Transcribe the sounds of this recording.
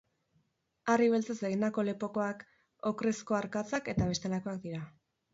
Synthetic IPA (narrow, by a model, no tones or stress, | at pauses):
ariβe̞lt͡saseɣend̪ako̞le̞po̞ko̞ak | okɾesko̞aɾkat͡sake̞t̪aβ̞e̞st̪e̞lako̞ak̚d̪iɾa